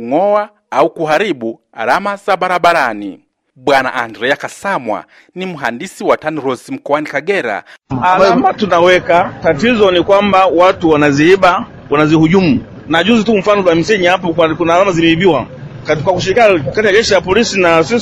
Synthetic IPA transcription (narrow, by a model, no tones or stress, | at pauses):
uŋɔwa | aukuɦaɾiɓu | a̰ɾamazaɓaɾaɓaɾanḭ | ɓwana̰ʔandɾɛakasamwa̰ | nimuɦandisiwataniɾɔsim̩kɔwanikaɡɛɾa̰alamatunawɛkatatizɔnikwambawatuwanaziiɓa | wanazihuʄumu | naʄuzitum̩fanɔlwamisɛɲiap̬ɔkunaalamazimɛibiwa | kakwakuʃ̬iɾikinakatijad͡ʒɛʃilapɔlisinasi